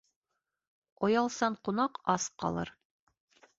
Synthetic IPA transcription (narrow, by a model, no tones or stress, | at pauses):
ojɑlˠsɑɴqunɑqɑsqɑ̰lˠɤ̰ɾ